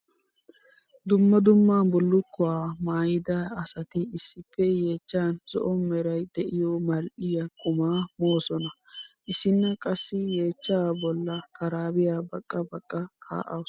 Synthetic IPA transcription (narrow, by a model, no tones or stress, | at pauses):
d̪ʊmːɐd̪ʊmːaːnbɔlːʊkːʊwaːmaːjɪd̪ɐɐsɐt̪ɪɪsːɪpːɛje̞ːt͡ʃːaːnz̥ɔ̰ʔɔmmɛɾɐjd̪ɛʔɪjɔmɐlʔɪjɐkʼʊmaːmoːsɔnɐ | ʔɪsɪnːɐkʼɐsːɪjeːt͡ʃːabɔlːɐkɐɾaːbɪjaːbɐkʼːɐbɐkʼːɐkʰa̰ːʔɐw